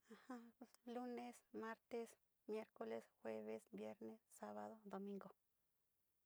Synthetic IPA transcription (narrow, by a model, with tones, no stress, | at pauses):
a˨ha˦lu˦ne˧sma˦ɾt̪e˧s | mje˦ɾko˦le˦sxwe˦βe˦sbje˦ɾne˦sːa˦βa˦ðo˦d̪o˨mĩ˦ŋɡo˨